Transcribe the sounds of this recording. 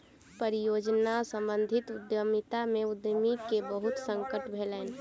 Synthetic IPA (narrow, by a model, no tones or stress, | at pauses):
pəɾijod͡ʒnasə̃mbənd̪ʱɪt̪ʊd̪jəmit̪ameʊd̪jəmikebəɦʊt̪sə̃ŋkəʈbʱelɛn